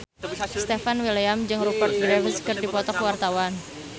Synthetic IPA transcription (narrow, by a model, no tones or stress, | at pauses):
st̪efanwiliamd͡ʒɨŋrubərt̪̚ɡɾevəskɨrdipɔt̪ɔkwart̪awan